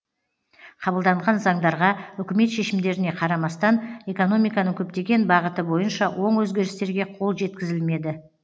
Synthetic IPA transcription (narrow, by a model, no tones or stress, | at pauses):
qʰɑbəlˠd̪ɑɴʁɑnzɑɴd̪ɑɾʁɑʏkʲɪme̞t̪ʃe̞ʃɪmd̪e̞ɾɪne̞qʰɑɾɑmɑst̪ɑne̞ko̞no̞mijkɑnəŋkʲʰɵp̚t̪e̞ɡʲe̞nbɑʁət̪əbo̞jənʃɑwʔo̞ɴwɵzɡʲe̞ɾɪst̪e̞ɾɡʲe̞qʰo̞lˠʒe̞t̪kʲɪzɪlme̞d̪ɪ